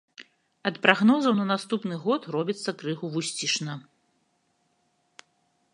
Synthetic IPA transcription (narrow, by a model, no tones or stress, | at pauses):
ɐt̪pɾaɣnɔzɐwnɐnast̪upnɨɣɔt̪rɔbʲit̪sːɐkɾɨɣuvusʲt͡sʲiʂnɐ